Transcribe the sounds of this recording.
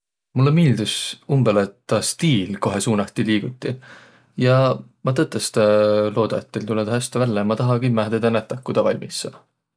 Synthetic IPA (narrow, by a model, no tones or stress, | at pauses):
mulːemiːld̪usumbelet̪ːɑst̪iːlko̞ɦe̞suːnɑt̪ːiliːɡ̥ut̪ˑːi | jɑmɑt̪ɤt̪ːˑest̪ɑlo̞ːd̪̥ɑjɑt̪ːˑelt̪ulːed̪ɑɦæst̪ɑvælːemɑt̪ɑɦɑɡimæɦd̪ed̪̥ɑnæt̪ˑːɑkːud̪̥ɑvɑlʲmisːɑ